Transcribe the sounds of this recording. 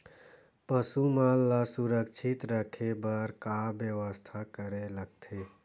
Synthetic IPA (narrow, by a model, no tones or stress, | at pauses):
pəsumalːasuɾəkt͡ʃʰit̪ɾəkʰebəɾkabjəʋəst̪ʰakəɾeləɡ̚t̪ʰe